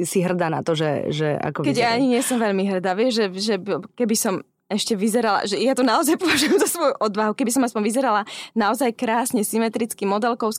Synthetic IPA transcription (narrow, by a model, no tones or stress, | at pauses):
siɦr̩d̪ana̰t̪ɔʒɛ̰ʒɛ̰a̰kɔkɛɟjaaɲiɲɪɛsɔmʋɛʎmiɦr̩d̪aʋiɛʒʒɛʒɛkɛbisɔm | ɛʃcɛʋizɛɾala̰ʒɛjat̪ɔnaɔzajpɔʋaʒujɛmzasʋɔjuʔɔd̪ʋaɦukɛbis̬ɔmaspɔɲʋizɛɾalanaɔzajkɾaːsɲɛsimɛt̪ɾit͡skimɔd̪ɛlkɔʊs